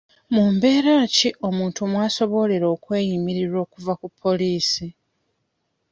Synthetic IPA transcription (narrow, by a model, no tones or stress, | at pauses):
muːmbe̞ːɾaːciʔo̞muːntumwaːso̞βo̞le̞ɾo̞ːkwe̞ːjimiɾiɾwo̞ːkuvakupʰːo̞liːsi